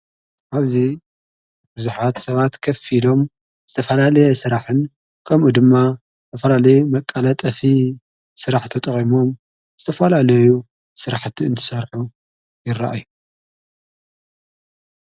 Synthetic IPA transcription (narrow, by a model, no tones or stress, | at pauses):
ʔaβzi | bɨzuħat̪sɐβat̪kʰɐfilo̞m | z̥ɨt̪ʰɐfɐlalɐjɛsɨɾaħɨn | kʰɐmʔud̪ɨmːa | zt̪ʰɐfɐlalɐjumɐkʼːɐlɐt̪ʼɐfi | sɨɾaħt̪ʰɐt̪ʼɨχʼimo̞m | z̥ɨt̪ʰɐfɐlalɐju | sɨɾaħt̪ʰiɨnt̪ʰɨ̥sɐɾħu | jɪra̰ʔa̰ju